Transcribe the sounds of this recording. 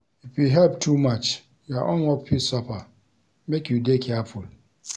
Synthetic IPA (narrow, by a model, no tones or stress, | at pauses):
ifiɦɛlptʰumat͡ʃ | jaʔɔ̃nwɔpʰisɔpa | mekjudekʰɛful